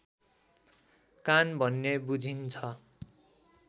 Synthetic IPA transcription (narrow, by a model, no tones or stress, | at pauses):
kanbʱʌnːebud͡zʱint͡sʰʌ